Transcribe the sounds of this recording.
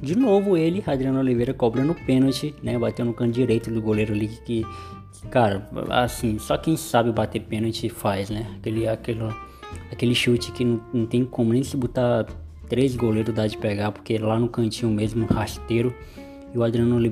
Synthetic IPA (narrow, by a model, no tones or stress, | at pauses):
d͡ʒɪnovʊelɪhad̪ɾiɐ̃nɐolivejɾɐkɔbɾɐnʊpẽnot͡ʃɪnɛbat̪ewnʊkɐ̃ʊd͡ʒiɾejt̪ʊd̪ʊɡoleɾʊalikɪ̥ | kaɾɐ̰a̰sĩsɔkẽj̃sabɪbat̪epẽnot͡ʃɪfajznɛakelɪakelɐ | akelɪʃut͡ʃɪ̥kɪñnɐ̃t̪ẽj̃kõmʊnẽj̃sɪbut̪a | t̪ɾezɡoleɾʊzd̪ad͡ʒɪpɛɡapo̥ɾkelanʊkɐ̃t͡ʃĩʊ̃mezmʊhaʃt̪eɾʊ | ɪʊad̪ɾiɐ̃nɐoli